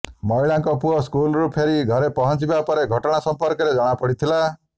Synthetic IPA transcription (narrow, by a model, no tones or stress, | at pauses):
mɔiɭaŋkɔpuɔskulɾupʰeɾiɡʱɔɾepɔɦɔnt͡ʃibapɔɾeɡʱɔʈɔɽ̃asɔmpɔɾkɔɾed͡ʒɔɽ̃apɔɽit̪ʰila